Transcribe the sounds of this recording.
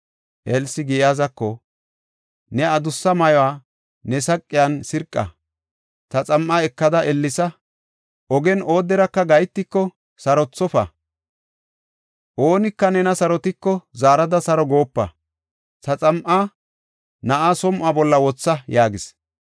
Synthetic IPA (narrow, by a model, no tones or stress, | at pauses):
ʔɛlsɪɡɪjjaːzɐkːɔ | nɛɐd̪ʊsːɐmɐjɔwaː | nɛsɐkʼːɪjansɪɾkʼːɐ̰ | t̪ɐt͡sʼɐmʔaɛkːɐd̪ɐʔɛlːɪsɐ | ʔɔɡɛnʔo̞ːd̪ːɛɾɐkːɐɡɐjt̪ːɪkːɔ | sɐɾɔt͡sːɔfɐ̰ | ʔoːnɪkːɐnɛnɐsɐɾɔt̪ɪkːɔzaːɾɐd̪ɐsɐɾɔɡo̞ːpːɐ̰ | t̪ɐt͡sʼɐmʔa | nɐʔasɔmʔabɔlːɐwɔt͡sːɐjaːɡɪs